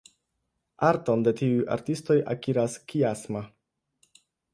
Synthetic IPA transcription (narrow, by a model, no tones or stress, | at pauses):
aɾto̞nde̞tiuja̰ɾtisto̞ja̰kiɾaskiasma